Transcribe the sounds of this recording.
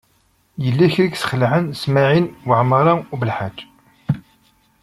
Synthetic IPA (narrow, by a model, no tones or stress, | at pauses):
jəlːiçɾiɡsə̥χəlʕənsmaʕinwəʕmɾˤɑubəlħad͡ʒː